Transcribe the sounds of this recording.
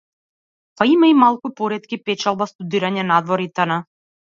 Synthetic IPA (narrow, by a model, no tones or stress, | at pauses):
paimaimalˠkupɔɾɛt̪kʲipɛt͡ʃalˠbast̪ud̪iɾaɲɛnad̪vɔɾit̪ana